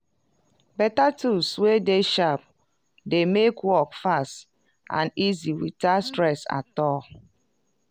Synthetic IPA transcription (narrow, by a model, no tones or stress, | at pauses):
bɛtatʰuswedeʃap | demekwɔkfast | ã̰niziwitastɹɛsa̰tɔl